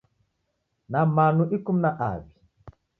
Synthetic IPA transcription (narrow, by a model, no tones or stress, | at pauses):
namanuʔikum̩naʔa̰vi